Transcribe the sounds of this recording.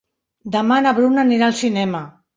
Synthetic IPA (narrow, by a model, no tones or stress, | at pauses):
d̪əmanaβɾunaniɾalˠsinɛma